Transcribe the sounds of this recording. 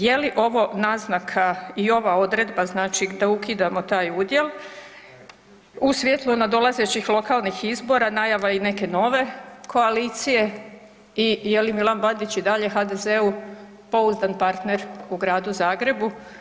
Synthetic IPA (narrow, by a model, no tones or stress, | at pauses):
je̞liʔo̞ʋo̞naznakʰaio̞ʋao̞d̪ɾe̞d̪baznaːt͡ʃid̪aukid̪amo̞t̪aːjud̪je̞lˠ | usʋʲjet̪lˠunad̪o̞lˠaze̞t͡ɕixlˠo̞kalˠnixizbo̞ɾanajaʋaine̞ke̞no̞ʋe̞kʰo̞aliːt̪sije̞ | ije̞limilˠanbad̪it͡ɕid̪aʎe̞xad̪e̞ze̞u | po̞uzd̪anpaɾt̪neɾuɡɾaːd̪uzaːɡɾe̞bu